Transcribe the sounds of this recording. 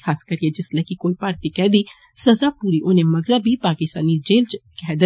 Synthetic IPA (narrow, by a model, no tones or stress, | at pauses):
kʰaːskəɾied͡ʒɪslɛkikoːipaːɾt̪iːkɛːd̪iː | səzaːpuːɾiːʔoːnẽːməɡɾabʱiːpaːkɪst̪a̰ːnid͡ʒeːlt͡ʃkɛːd̪ə